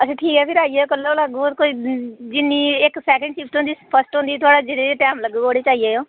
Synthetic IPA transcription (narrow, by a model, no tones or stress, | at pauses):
əsẽːʈʰiːkɛːpʰɪɾaːiːeːokəloləɡuːkoiːd͡ʒɪnːiːɪksɛːkə̃ɳɖʃɪp̚t̪ʊ̃nd̪iːpʰəɾsʈɦʊ̃nd̪iːt̪ʰʊaːɽaːd͡ʒɪɽeːɾeːʈɛːmləɡuːɡoːɽeːt͡ʃaːijeːjoː